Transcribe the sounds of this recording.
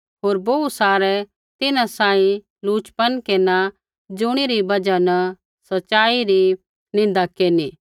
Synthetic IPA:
ɦoːɾbousaːɾɛ | t̪ɪnãsãːĩ | luːt͡ʃpənkeːna | d͡ʒʊɽ̃iɾibɐd͡ʒanə | sɐtːʃaːiɾi | nɪ̃nd̪akeːni

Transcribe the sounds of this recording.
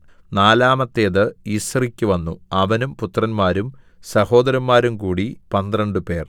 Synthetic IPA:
naːlaːmɐt̪ːeːðɨiːsɐrikʲːuʋɐnːuɐʋɐnumput̪ːrɐnmaːɾum | sɐho̞ːd̪ɐɾɐmmaːɾumkuːɽipɐnd̪rɐɳɖɨpe̞ːr

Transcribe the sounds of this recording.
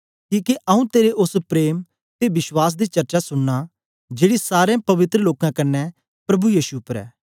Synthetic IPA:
kĩːkeʔɐũt̪eːɾeʔʊspɾeːm | t̪ebɪswaːs̬d̪it͡ʃɐɾt͡ʃasʊɽːa | d͡ʒeːɽisaːɾẽpɐʋɪt̪ɾəloːkãkɐnːɛ | pɾɐbujiːsuːpːəɾɛ̰ː

